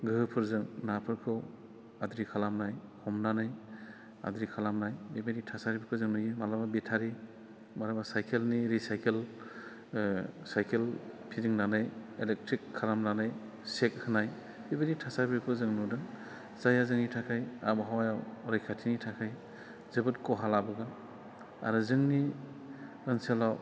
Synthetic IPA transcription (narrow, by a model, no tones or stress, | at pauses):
ɡɯɦpʰɯɾzɯŋnapʰɯɾkʰɯw | adɾikʰalamnajhɔmnanaj | a̰dɾikʰalamnajbibeɾitʰasaɾibikʰɯzɯŋnujɯmalababitʰaɾi | malabasajkʰelniɾisajkʰel | sajkʰelpʰiziŋnanajelek̚tʰɾikʰːalamnanaj | sek̚hɯnaj | bibeɾitʰasaɾbibkʰɯzɯŋnudɯ | z̥ajazɯŋnitʰakʰaja̰baɦawajawɾajkʰatʰinitʰakʰaj | zɯbɯtkɔɦalabɯɡa | a̰ɾuzɯŋni | ɯnselaw